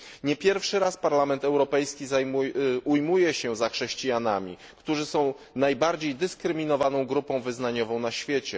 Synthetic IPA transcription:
ɲɛpʲjɛɾfʂɘɾaspaɾlamɛnt̪ɛwɾɔpɛjskʲizamuujmujɛɕɛzaxʂɛɕt͡ɕijanamʲi | kt̪uʐɘsɔ̃w̃ | najbaɾd͡ʑejd̪ɘskɾɘmʲinɔvanɔ̃w̃ɡɾupɔ̃w̃vɘznaɲɔvɔ̃w̃naɕfʲjet͡ɕɛ

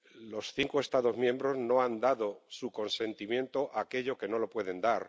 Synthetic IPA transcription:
lo̞sθiŋkoe̞st̪aðo̞zmjẽ̞mbɾo̞zno̞and̪aðo̞suko̞nsẽ̞nt̪imjẽ̞nt̪o̞ʔake̞ʎo̞ke̞no̞lo̞pwe̞ð̞e̞nd̪aɾ

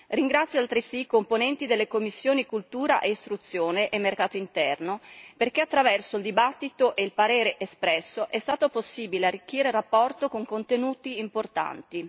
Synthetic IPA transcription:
riŋɡɾat̪sːjoalt̪ɾisikomponɛnt̪id̪elːekomːisːjoːnikult̪uːɾa̰ʔeist̪ɾut̪sːjoːneʔemːerkaːt̪oint̪ɛrnoperkeat̪ːɾavɛrsoild̪ibat̪ːit̪oʔeilpaɾeːɾeʔespɾɛsːoʔɛst̪aːt̪oposːiːbilearːik̟ːiːɾerapːɔrt̪okoŋkont̪enuːt̪iːmport̪a̰nt̪i

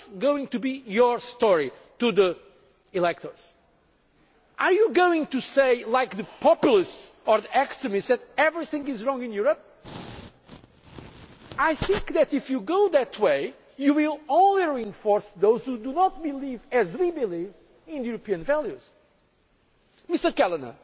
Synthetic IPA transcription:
sɡowɪ̃ŋt̪ubijɔ˞stɔɹi | tuði | ilɛk̚t̪ʰə˞z̥ | ʔaɹjuɡoɪ̃ŋtuseɪlaɪk̚ðɨpʰɔpjl̩ˠistsɔ˞ðiʔɛkstɹɨmɪstsðɨtɛvɹiθɪ̃ŋɡɪzɹɔ̃ŋɨ̃njuɹəp̚ | ajθɪ̃ŋkðɨt̪ifjuɡoʊðɨtʰweɪ | juwilˠõʊ̃nliɹiɨ̃ɱfɔɹsðoʊz̥hud̪unɔt̪̚bilivɨzwibiliv | ɪ̃nðjuɾɨpiɨ̃nvɛlˠjuz̥ | mɪstə˞kɛlˠənə̰

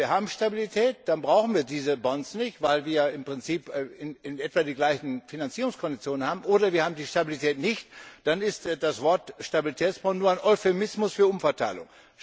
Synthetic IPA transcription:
viɐhaːbm̩ʃtabilitʰɛːt̚d̥anbʁaʊxn̩viːɐdiːzəbɔnsnɪçtv̥aɪlviːɐjaːɪmpʁ̥ɪnt͡siːpːɪnɪnʔɛtv̥aːdiːɡlaɪçn̩finant͡siːʁʊŋskʰɔndit͡sjoːnənhaːbm̩ʔoːdɐviːɐhaːbm̩diːʃtabilitʰɛːtnɪçtd̥anɪstd̥asv̥ɔɐtʃtabilitʰɛːt͡sb̥ɔnnuɐaɪnʔɔʏfemɪsmʊsfyːɐʔʊmfɐtʰaɪlʊ̰ŋ

